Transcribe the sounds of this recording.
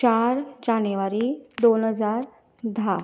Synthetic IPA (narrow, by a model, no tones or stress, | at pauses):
t͡ɕaɾd͡ʑaniʋaɾiːd̪onɦəd͡zaɾ | d̪ʱa